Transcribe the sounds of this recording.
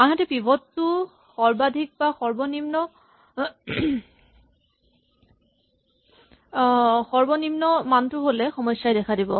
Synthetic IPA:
anɦatɛpibʱɔttʊ | xɔɹbadʱik̚baxɔɹbɔnimnɔ | xɔɹbɔnimnɔmantʊɦolɛxɔmɔjsajdɛkʰadibɔ̰

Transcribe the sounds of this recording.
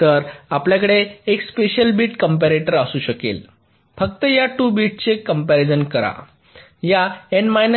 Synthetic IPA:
t̪əɾapljakəɽeːkspeɕəlbiːʈkəmpæɾeʈəɾasuːɕəkḛl | fəkt̪əjaʈuːbiːʈ̚t͡ɕekːəmpæɾed͡zənkəɾa̰ | jaenmajnə

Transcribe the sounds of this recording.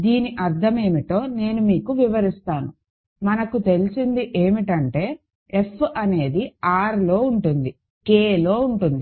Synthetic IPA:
d̪iːniʔɐɾt̪ʰɐme̞ːmiʈo̞ːne̞ːnumiːkuʋiʋɐɾist̪aːnu | mɐnɐkut̪e̞lisind̪iʔe̞ːmiʈɐɳʈe̞ː | efɐne̞ːd̪iaːɾlo̞ːuɳʈund̪i | keːlo̞ːuɳʈund̪i

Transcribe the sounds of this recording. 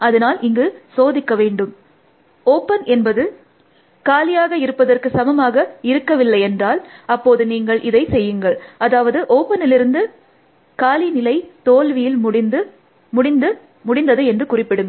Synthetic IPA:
ɐðɐnaːlʔɪŋɡɯsoːðɪkːɐʋeːɳɖɯm | oːpːɐnɛnbɐðɯ | kaːlɪjaːɣɐɪɾɯpːɐðɐrkɯsɐmɐmaːɣɐɪɾɯkːɐʋɪlːɐɪɛndraːlɐpːoːðɯniːŋɡɐɭʔɪðɐɪsɛjːɯŋɡɐɭɐðaːʋɐðɯʔoːpːɐnɪlɪɾɯnd̪ɯ | kaːlinɪlɐɪt̪oːlʋɪjɪlmɽɪd̪ɯ | mʊɽɪnd̪ɯ | mʊɽɪnd̪ɐðɯɛndrɯkʊrɪpːɪɽɯŋɡɐ

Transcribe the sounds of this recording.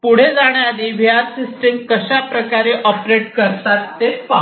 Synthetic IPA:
puɽ̤ed͡zaɽ̃jad̪iːʋʱjaɾsisʈemkəɕapɾəkaɾeʔɔpɾeʈ̚kəɾt̪at̪ːepa

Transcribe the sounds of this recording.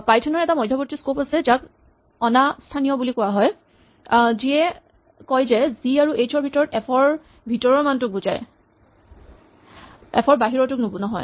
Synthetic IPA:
pajtʰɔnɔɹɛtamɔjdʱɔpotɹiskopasɛzak | ɔnastʰanijɔbulikʊaɦɔj | ziɛ | kɔjzɛziaɹuejt͡ʃʰɔɹbʱitɔɹɔtɛpʰɔɹ | bʱitɔɹɔɹmantʊk̚bud͡ʒa̰j | ɛ̰pʰɔɹbaɦiɹɔtʊk̚nubunɔɦɔ̰j

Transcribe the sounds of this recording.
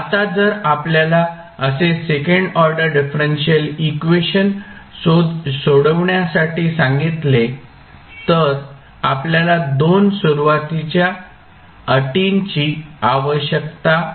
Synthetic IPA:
at̪ad͡zəɾapljala | əsesekəɳɖɔɾɖəɾɖifɾenɕiəlikʋeɕənsosoɽəʋɳjasaʈiːsãŋɡit̪le | t̪əɾ | apljalad̪onsuɾuʋat̪it͡ɕja | əʈint͡ɕiːaʋəɕjək̚t̪a

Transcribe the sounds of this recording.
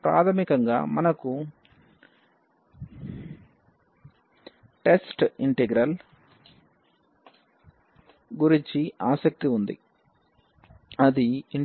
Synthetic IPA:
pɾa̰ːt̪ʰɐmikɐŋɡa̰ːmɐnɐku | ʈe̞sʈiɳʈeɡɾɐl | ɡuɾiɲt͡ʃiaːsɐk̚t̪iund̪ḭ | ɐd̪iiɳ

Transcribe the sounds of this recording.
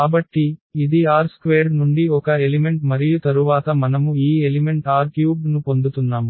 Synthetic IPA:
aːbɐʈːiːd̪iaːɾskʋeːɾnuɳɖiɔkɐelime̞ɳʈmɐɾijut̪ɐɾuʋaːt̪ɐmɐnɐmuiːelime̞ɳʈaːɾkjuːɡnupo̞nd̪ut̪unːaːmu

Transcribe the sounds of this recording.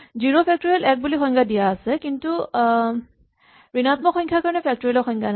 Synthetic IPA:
ziɹopʰɛk̚tɔɹiɔlɛk̚bulixɔŋkʰadijaːsɛkintu | ɹinat̪mɔxɔjŋkʰakaɹɔnɛpʰɛk̚tɔɹilɔxʰɔŋkʰana

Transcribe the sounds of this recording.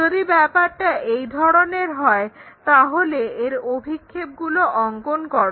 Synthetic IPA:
od̪ibɛpaɾʈaʔejd̪ʱɔɾoneɾɦɔet̪aɦoleeɾobʱikʰːeb̚ɡuloʔɔŋɡonkɔɾ

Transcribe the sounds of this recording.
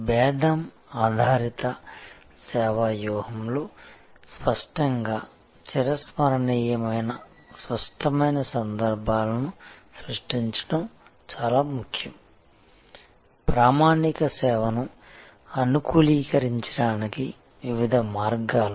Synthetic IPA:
bɛːd̪ʱɐm | aːd̪ʱaːɾit̪ɐ | sɛːʋajɔːhɐmlo̞ː | spɐʂʈɐŋɡaː | t͡ʃiɾɐsmɐɾɐɳiːjɐmɐjnɐ | sʋɐʂʈɐmɐjnɐsɐnd̪ɐɾbʱaːlɐnusɾuʂʈiɲt͡ʃɐ̥ɽɐmt͡ʃaːlaːmukʰjɐm | pɾaːmaːnikɐsɛːʋɐnu | ɐnukuːliːkɐɾiɲt͡ʃɐ̥ɽaːniki | ʋiʋid̪ʱɐmaːɾɡaːlu

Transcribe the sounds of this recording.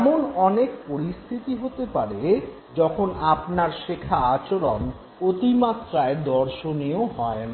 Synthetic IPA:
ɛmonɔnekpoɾist̪ʰit̪iɦot̪epaɾe | d͡ʑɔkʰonapnaɾʃekʰaat͡ɕoɾon | ot̪imat̪ːɾaed̪ɔɾʃonioɦɔena

